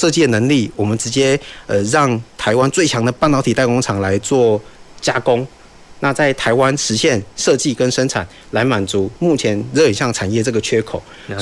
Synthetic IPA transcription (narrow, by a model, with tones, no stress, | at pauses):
ʂɤ˥˧t͡ɕi˥˩ə˩nə˧˥ŋli˥˩wɔ˨˩mə˦nʈ͡ʂɻ̩˧˥t͡ɕjɛ˥ə˧ɻɑ˥˩ŋt̪ʰa˧˥ɪwa˦˥nt͡swe˥ɪt͡ɕʰjɑ˧˥ŋd̪ə˨pa˥˩nt̪ɑ˧˥ʊtʰi˨˩t̪a˥˧ɪko˥ŋʈ͡ʂʰɑ˨˩ŋla˧˥ɪt͡swɔ˥˩t͡ɕja˥kʊ˥ŋ | na˥˧t͡sa˥˩ɪt̪ʰa˧˥ɪwa˦nʂɻ̩˧˥ɕjɛ˥˨nʂɤ˥˧t͡ɕi˥˨kə˥nʂə˥nt͡sʰa̰˨˩n | la˧˥ɪma˨˩nt͡su˨˦mu˥˩t͡ɕʰjɛ˧˥nɻə˧˥˩ə˨˩nɕjɑ˥˩ŋʈ͡ʂʰa˨˩njɛ˥˧ʈ͡ʂɤ˥˩ɡə˩t͡ɕʰɥɛ˥kʰo˨˩˦ʊ